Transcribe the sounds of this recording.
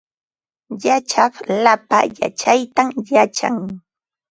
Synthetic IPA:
jat͡ʃɑχlapa̰ja̰t͡ʃajt̪amjat͡ʃa̰ŋ

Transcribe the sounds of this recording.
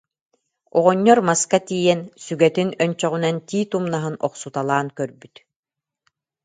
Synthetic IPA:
ɔʁɔɲːɔɾmaskat̪iːjɛnsyɡɛt̪inœnt͡ɕɔʁunant̪iːt̪umnaɦɯnɔqsut̪alˠaːnkœɾbyt̪

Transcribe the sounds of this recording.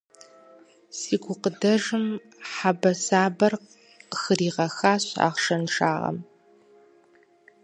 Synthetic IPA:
siːɡʷʊqədɐʐɨm | ħabɐsaːbɐr | qəxɨriːʁɐxaːɕa̰ːχʂɐnʈ͡ʂaːʁɐ̰m

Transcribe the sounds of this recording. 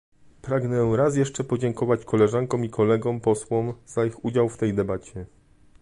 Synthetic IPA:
pɾaɡnɛɾasjɛʂt͡ʂɛpɔd͡ʑɛŋkɔvat͡ɕkʰɔlɛʐaŋkɔ̃mikʰɔlɛɡɔ̃mpɔswɔmz̥aixud͡ʑawft̪ɛjd̪ɛbat͡ɕɛ

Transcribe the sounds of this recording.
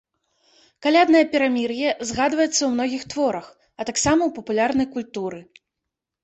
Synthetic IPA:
kalʲad̪nɐjɐpʲɛɾamʲirjɛzɣad̪vɐjɛt̪sːɐwmnɔɣʲixt̪vɔɾɐx | ɐt̪aksamɐwpɐpulʲarn̪ɐjkulʲt̪uɾɨ

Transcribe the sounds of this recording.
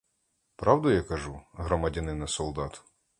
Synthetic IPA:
pɾɑwd̪ʊjakɐʒuɦɾɔmɐdʲɐnɪnɐsɔlˠd̪ɑt̪ʊ̥

